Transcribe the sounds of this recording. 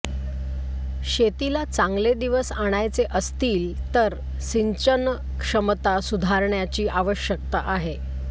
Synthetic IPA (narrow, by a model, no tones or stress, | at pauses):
ɕet̪ilat͡sãŋɡled̪iʋəsaɽ̃ajt͡seʔəst̪iːlt̪əɾ | siɲt͡ɕən | kʂəmt̪asud̪ʱaɾɳjat͡ɕiːʔaʋəɕjək̚t̪aʔaɦe